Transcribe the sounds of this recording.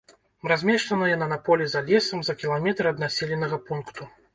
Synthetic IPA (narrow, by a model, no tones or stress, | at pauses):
razʲmʲɛʂt̪ɐnɨjɐnɐnɐpɔlʲizalʲɛsɐmzɐkʲilˠamʲɛt̪ɾɨɐd̪nasʲɛlʲɛnɐɣɐpunkt̪u